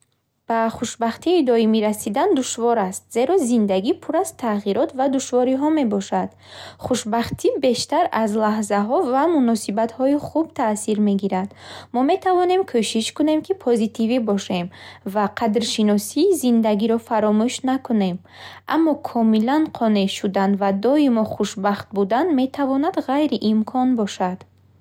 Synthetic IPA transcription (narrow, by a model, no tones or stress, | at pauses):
b̥aχuʃbaχt̪iːd̪ɔimiɾasid̪and̪uʃvɔɾast̪z̥e̞ɾɔzind̪aɡipʰuɾaz̥t̪ʰaʁiɾɔt̪vad̪uʃvɔɾiɦɔme̞bɔʃad̪̥ | χuʃbaχt̪ʰibe̞ʃt̪aɾazlaɦzaɦɔvamunɔsibat̪hɔiχubt̪ʰasiɾme̞ɡiɾad̪mɔme̞t̪ʰavɔne̞mkʰøʃiʃkune̞mkʰipʰozit̪ʰivibɔʃe̞mvaqʰad̪ɾʃinɔsizind̪aɡiɾɔfaɾɔmuʃnakune̞m | ʔa̰mːɔkʰɔmilanqʰɔneʃud̪anvad̪ɔimɔχuʃbaχt̪̚bud̪anme̞t̪ʰavɔnad̪ʁajɾiʔimkʰɔnbɔʃad̪̥